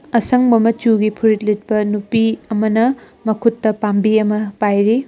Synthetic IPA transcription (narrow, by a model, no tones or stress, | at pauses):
ɐsɐŋbɐmɐt͡ʃuɡipʰuɾit̚lit̚pɐnupiɐmɐnɐ | mɐkʰutːɐpambiɐmɐpajɾi